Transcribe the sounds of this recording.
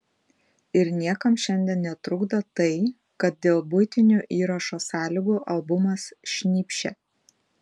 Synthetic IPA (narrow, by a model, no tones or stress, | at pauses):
ɪɾnʲiɛkɐmʃʲɛnʲd̪ʲiɛnnʲɛt̪ɾʊɡd̪ɐt̪ɐɪ | kɐt̪̚d̪ʲeːlˠbʊjt̪ʲɪnʲuːʔiːɾɐʃoːsɑːlʲɪɡuːʔɐlˠˑbʊmɐsʃʲnʲiːpʲʃʲɛ